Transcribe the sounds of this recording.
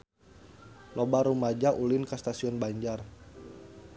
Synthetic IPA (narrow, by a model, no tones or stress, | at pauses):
lobaɾumad͡ʒaʔulɪnkəst̪asiɔnbaɲd͡ʒar